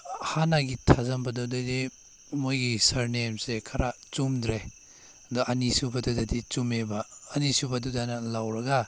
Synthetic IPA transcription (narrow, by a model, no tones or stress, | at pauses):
hanaɡitʰazɐmbɐdɔdojdi | mojɡisɐɾnemsekʰaɾat͡ʃumdɾe | dɔɐnisubɐdɔdɐdit͡ʃumebɐːnisubɐdudanɐlawɾɐɡa